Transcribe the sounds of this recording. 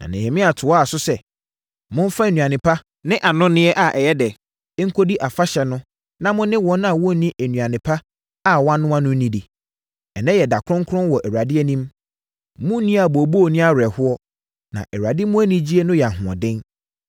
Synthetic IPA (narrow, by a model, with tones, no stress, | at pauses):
nã̰˨nɪ̃˨he˨mɪ̃˦a˨tʰʊ˨ɔ˦a˨sʊ˦sɛ˨ | mʊ̃˦n˦fa˦e˨nũ˨ã˨nɪ̃˨pʰa˦ | nɪ̃˦ʔa˨nʊ̃˦nɪ̃˦ɛ˦ʔa˨ʔɛ˨jɛ˦dɛ˨˦ | ŋ̩˦kʰo˦di˦ʔa˨fa˦ɕɛ˨nʊ̃˦ | nã˦mʊ̃˦nːɪ̃˦wɔ̃˨˦nã˨wɔ̃˦nĩ˦ʔæ˨nũ˨ã˨nɪ̃˨pʰa˦ | a˦˨wã˦nːʊ̃˦ã˦nʊ̃˦nĩ˦di˨ | ɛ˨nɛ̃˦jɛ˨da˨kʰʊ˦ɾʊ̃˦ŋ˦kʰʊ̃˦nwɔ˨ʔɛ˨wa˨dɪ˦ɛ˦nĩ˦m | mʊ̃˦nĩ˦a˨bo˨bo˦˨nĩ˦a˨ɾɛ˨hʊ˦ɔ˦ | nã̰˨ʔɛ˨ɾa˨dɪ˦mʊ̃˦æ˦nĩ˦d͡ʑi˦e˦nʊ̃˦jɛ˨a˨ɦʊ̃˨ɔ̰̃˨dɪ̃˦n